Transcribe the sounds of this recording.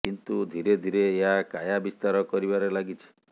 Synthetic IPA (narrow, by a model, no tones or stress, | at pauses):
kint̪ud̪ʱiɾed̪ʱiɾeːɦakajabist̪aɾɔkɔɾiβaɾelaɡit͡ʃʰi̥